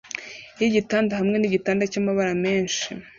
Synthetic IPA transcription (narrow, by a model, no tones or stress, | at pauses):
jiɟitaːndahamŋe̞niɟitaːndacamaβaɾame̞ːnʃḭ